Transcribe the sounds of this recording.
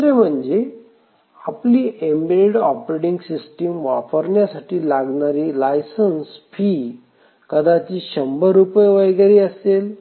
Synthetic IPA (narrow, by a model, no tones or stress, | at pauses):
ɾem̤əɳd͡ʑe | apliːembeɽɔpɾeɽiŋɡsisʈimʋafəɾɳjasaʈʰiːlaɡɳaɾiːlajsənsfʰiː | kəd̪at͡ɕiːɕəmbəɾupəjʋəjɡaɾiːəsel